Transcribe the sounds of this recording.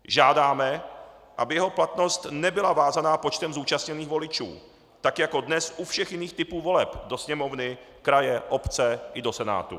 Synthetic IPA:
ʒaːdaːmɛʔa̰bɪjɛɦo̞plat̪no̞st̪nɛbɪlavaːzanaːpot͡ʃt̪ɛmzuːt͡ʃast̪ɲɛniːxvo̞lɪt͡ʃṵː | t̪akjako̞dnɛsʔufʃɛxjɪniːxt̪ɪpuːvo̞lɛpdo̞sɲɛmo̞vnɪ | kɾajɛʔo̞pt͡sɛʔɪdo̞sɛna̰ːt̪ṵ

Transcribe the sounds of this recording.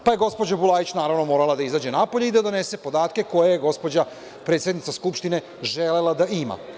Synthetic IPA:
pajeɡo̞spod͡ʑabulˠaːjit͡ɕnaːɾaʋno̞mo̞ːɾalˠad̪aizaːd͡ʑe̞napoʎeid̪ad̪o̞ne̞se̞po̞d̪aːt̪ke̞ko̞jejeɡo̞spo̞d͡ʑa | pɾe̞ːt̪sʲjed̪nit̪saskupʃt̪ine̞ | ʒelelad̪aʔima̰

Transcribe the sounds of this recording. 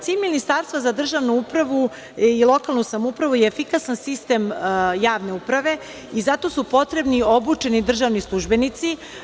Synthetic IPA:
siːnminist̪aɾst̪ʋazad̪r̩ʒaʋnuupɾaʋu | ilˠo̞kalˠnusamoupɾaʋujeːfikasansist̪e̞mjaːʋne̞upɾaʋe̞ | izat̪o̞ːsupo̞t̪ɾe̞bnio̞but͡ʃe̞nid̪r̩ʒaʋnislˠuʒbe̞nit̪si

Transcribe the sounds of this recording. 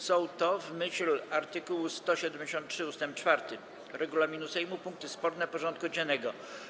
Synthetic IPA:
sɔ̃wt̪ɔvmɘɕlaɾt̪ɘkuwst̪ɔɕɛd̪ɛmʲd͡ʑeɕɔnt̪tʂɘust̪ɛmp̚t͡ʂfaɾt̪ɘ | ɾɛɡulamʲinusɛjmupuŋk̚t̪ɘspɔɾnɛpɔʐɔ̃nt̪̚kud͡ʑɛnːɛɡɔ

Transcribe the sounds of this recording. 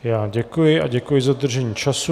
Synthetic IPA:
jaːɟɛkujɪaɟɛkujɪzad̪r̩ʒɛɲiːt͡ʃasu

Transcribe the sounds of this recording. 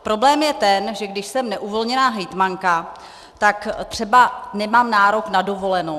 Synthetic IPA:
pɾo̞blɛːmjɛt̪ɛnʒɛɡdɪʃsɛmnɛʔuvo̞lɲɛnaːɦɛjt̪maŋka | t̪akt̪r̝̥ɛbanɛmaːmnaːɾo̞knado̞vo̞lɛno

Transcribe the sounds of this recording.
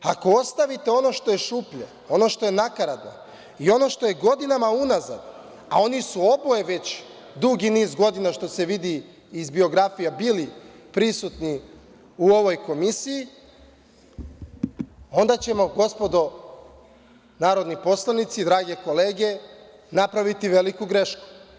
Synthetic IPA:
ako̞o̞st̪aʋit̪e̞o̞no̞ʃt̪o̞je̞ʃupʎḛ | o̞no̞ʃt̪o̞je̞nakaɾad̪no̰ | io̞no̞ʃt̪o̞je̞ɡo̞d̪inamaunaza̰d̪ | a̰o̞nisuobojeʋe̞t͡ɕ | d̪uɡiniːzɡo̞d̪inaʃt̪o̞se̞ʋid̪iː | zbio̞ɡɾafijabili | pɾisut̪ni | uo̞ʋo̞jko̞misiji | o̞nd̪at͡ɕe̞mo̞ɡo̞spo̞d̪o̞ | naːɾo̞d̪nipo̞slˠanit̪sid̪ɾaːɡe̞ko̞leːɡe̞ | napɾaʋit̪iʋe̞likuɡɾe̞ʃku̥

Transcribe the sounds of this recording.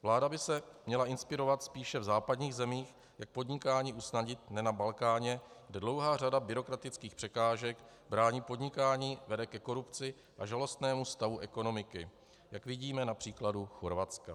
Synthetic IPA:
vlaːdabɪsɛmɲɛlaʔɪnspɪɾo̞vat̪spiːʃɛvzaːpadɲiːɣzɛmiːx | jak̚po̞dɲɪkaːɲiːʔusnaɟɪt̪nɛnabalkaːɲɛɡdɛdlo̞wɦaːradabɪɾo̞kɾat̪ɪt͡skiːxpr̥ɛkaːʒɛk | bɾaːɲiːpo̞dɲɪkaːɲiːvɛdɛkɛko̞ɾupt͡sɪ | ʔaʒalo̞st̪nɛːmust̪avuʔɛko̞no̞mɪkɪ | jakvɪɟiːmɛnapr̝̥iːkladuxoɾvat͡ska

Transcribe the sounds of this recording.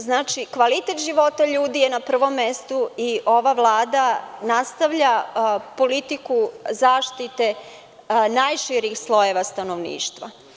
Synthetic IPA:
znaːt͡ʃikʋalit̪e̞t̪ʒiʋo̞t̪aʎuːd̪ijenapr̩ʋo̞mːest̪uiʔo̞ʋaʋlˠaːd̪anast̪aʋʎapo̞lit̪ikuzaːʃt̪it̪e | naːjʃiɾixslˠo̞jeʋast̪ano̞ʋnḭːʃt̪ʋa̰

